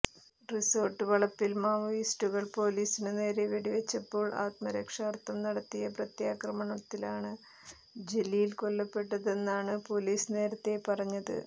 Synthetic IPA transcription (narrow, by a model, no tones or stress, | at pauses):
riso̞ːrʈːɨʋɐɭɐpːilmaːmɐisʈuɣɐɭpo̞ːliːsinɨne̞ːɾeʋeɽiʋɐt͡ɕːɐpːo̞ːɭʔa̰ːt̪mɐɾekʂaːrt̪ːɐmnɐɽɐt̪ːijɐprɐt̪jaːkrɐmɐɳɐt̪ːilaːɳɨ | d͡ʑe̞lijilko̞lːɐpːe̞ʈːɐðe̞nːaːɳɨpo̞ːliːsɨne̞ːɾɐt̪ːe̞pɐrɐɲːɐðɨ̰